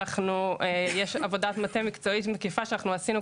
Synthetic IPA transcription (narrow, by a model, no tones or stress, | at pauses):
aχnuejeʃavo̞datmatemikt͡so̞itmekifaʃanaχnuasinu